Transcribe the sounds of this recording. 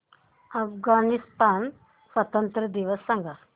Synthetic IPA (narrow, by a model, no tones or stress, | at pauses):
ɐfɡanist̪aːn | sʋɐt̪ənt̪ɾəd̪iʋəsːɐ̃ŋɡʱa